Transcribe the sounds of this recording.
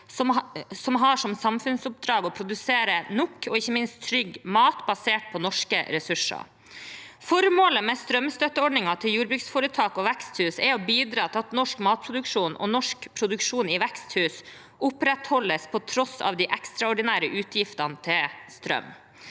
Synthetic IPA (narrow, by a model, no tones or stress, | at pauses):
ɔsɔmɦɑʂɔmsɑmfʉnsʊp̚d̪ɾɑːɡɔpʰɾʊd̪ʉseːɾənʊkʰːɔɪçːəmɪnst̪t̪ʰːɾʏɡmɑːt̪bɑseːʈ̚pʰɔnɔʂkə̰ɾɛsʉʂɑ̰ | fɔɾmoːləmɛst̪ɾœmst̪œt̪ːəɔɖnɪŋɑt̪ʰɪljuːɾbɾʉksfɔːɾət̪ʰɑːkɔʋɛkst̪hʉːsɛɔbiːd̪ɾɑːt̪ʰɪlɑt̪nɔʂkmɑːt̪̚pʰɾʊd̪ʉkʂuːnʔɔ̰nɔʂkpʰɾʊd̪ʉkʂuːnɪʋɛkst̪hʉːs | ʔʊpɾɛt̪hɔlːəspʰɔt̪ʰɾɔsɑ̰ːʋd̪ɪʔɛkst̪ɾɑɔɖɪnæːɾəʔʉːt̪ʰjɪft̪ɑnt̪ʰɪlst̪ɾœ̰m